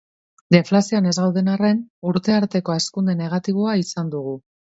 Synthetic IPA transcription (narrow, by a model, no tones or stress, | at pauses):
d̪eflasioane̞zɣawðe̞nare̞nuɾt̪e̞aɾt̪e̞ko̞e̞skund̪e̞ne̞ɣ̞at̪iβ̞o̞aisand̪uɣ̞u